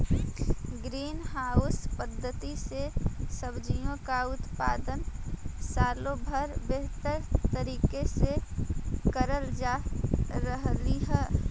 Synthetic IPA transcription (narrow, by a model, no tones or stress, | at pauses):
ɡɾiːnɦaʊspəd̪ʱːət̪isesəbd͡ʒijõkaʊt̪pa̰ːd̪ənsaːlõbʱəɾbeɦt̪əɾt̪əɾiːkese | kəɾəld͡ʒaɾəɦliɦɛː